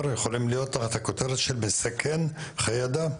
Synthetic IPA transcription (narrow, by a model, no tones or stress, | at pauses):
ɾjeχo̞limlijo̞t̪ːaχat̪hakot̪eɾet̪ʃelmesakʰenχajad̪a